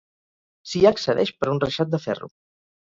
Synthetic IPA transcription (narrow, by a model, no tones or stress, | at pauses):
siaːksəðɛʃpəɾunrəʃat̪̚d̪əfɛ̰rṵ